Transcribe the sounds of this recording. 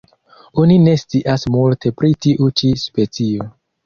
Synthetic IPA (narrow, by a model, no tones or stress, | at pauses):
onine̞st͡siʔasmultʰe̞pɾitiʔut͡ʃispe̞t͡sio